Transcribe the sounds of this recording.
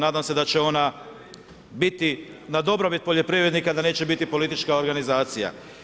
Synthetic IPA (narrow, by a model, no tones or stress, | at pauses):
naːd̪amse̞d̪at͡ɕeo̞na | bit̪i | nad̪o̞bɾo̞bit̪̚poʎe̞pɾivɾe̞d̪nikad̪ane̞ːt͡ɕt͡ʃe̞bit̪ipo̞lit̪it͡ʃkaoɾɡanizaːt̪sija̰